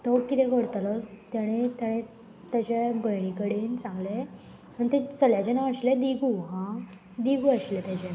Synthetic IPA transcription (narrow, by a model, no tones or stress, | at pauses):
t̪ɔkit̪ɛ̃ɡʱoɽt̪alɔt̪jaɽ̃et̪jaɽ̃e | t̪jat͡ɕebəjɳ̃ikəɽiːnt͡sãŋɡle | məɳt̪ẽt͡səljat͡ɕenaəɕled̪iɡuɦã | d̪iɡuəɕlet̪jat͡ɕe